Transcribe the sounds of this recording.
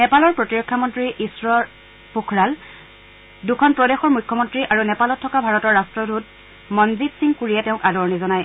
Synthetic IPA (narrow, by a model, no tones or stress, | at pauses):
nɛpalɔɹpɹɔtiɹɔkʰːamɔntɹiʔisɹɔ | pukʰɹal | dukʰɔnpɹɔdexɔɹmujkʰːɔmɔntɹiʔaɹunɛpalɔtʰːɔkabʱaɹɔtɔɹːastɹɔdʱut̚ | mɔnzitsiŋkuɹiɛtɛʊ̃kadɔɹnizɔnaj